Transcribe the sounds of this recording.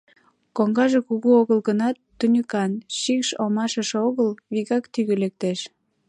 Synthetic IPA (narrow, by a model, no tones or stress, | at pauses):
koŋɡɑʒekuɣuoɣəlɣənɑt̪ːunʲykɑnʃikʃomɑʃəʃeoɣəlβiɣɑkt̪yɣølek̚t̪eʃ